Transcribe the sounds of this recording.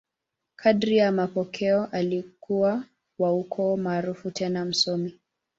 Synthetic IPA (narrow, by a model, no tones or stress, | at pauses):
kʰaɗɾijamapɔkʰɛɔʔalikʰuwa | waukʰɔmaːɾufutɛnam̩sɔmi